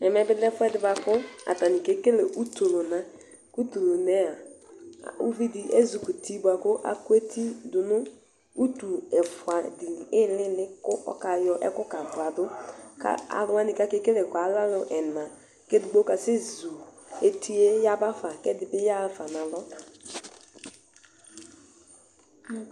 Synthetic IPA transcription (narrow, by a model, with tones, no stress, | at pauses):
ɛ˨mɛ˨˦bɪ˦lɛ˦fʊ˦ɛ˦dɪ˨˦ba˨kʊ˦a̰˨ta˨nɪ˨ke˦ke˦le˨ʔu˦to˨lo˨na˨ | ku˦tu˨lo˨nɛ˦a̰˨ | ṵ˦vi˦dɪ˨ʔe˦zu˨ku˨ti˦bʊ˨a˨kʊ˦ʔa̰˨kʊ˦e˦tʰi˦dʊ˨nʊ˦ | u˦tu˨ɛ˨fʊ˨a˨dɪ˨ɪ˦lɪ˦lɪ˦kʊ˦ɔ̰˦ka˨jɔ˦ʔɛ˦kʊ˦ka˨dʊ˨a˨dʊ˦ka̰˦a̰˨lʊ˦a˦nɪ˨ka˦ke˦ke˦lɛ˨kʊ˨a˨˦la˦lʊ˨ʔɛ˨nã˨ | ke˦dʊ˨ɡ͡bo˦ka˨sɪ˦zu˨e˨tʰi˦e˦ja˦ba˦fa˨kɛ˦dɪ˨bɪ˦ja˦fa˨na˨lɔ˦a˨